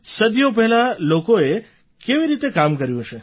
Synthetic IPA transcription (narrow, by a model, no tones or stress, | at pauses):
səd̪jopɛɦlalokoe | keʋiɾit̪ekamkəɾjũɦt͡ʃʰe